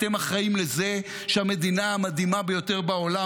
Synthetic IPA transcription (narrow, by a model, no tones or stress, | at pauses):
temaχaimleze̞ | ʃeame̞d̪inaamad̪himabejote̞ʁbaola